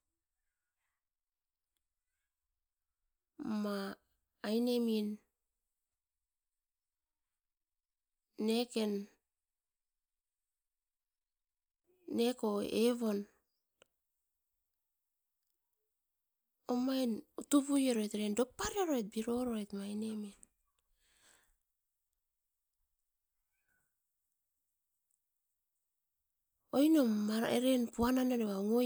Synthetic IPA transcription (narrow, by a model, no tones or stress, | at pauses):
maː | jne̞min | e̞ke̞n | e̞ko̞eβo̞n | omajnutuβujeɾo̞etɾendo̞paɾiaɾoet̚biɾo̞ɾoetmajne̞men | ojnomaɾḛɾenpuananeɾeβauŋo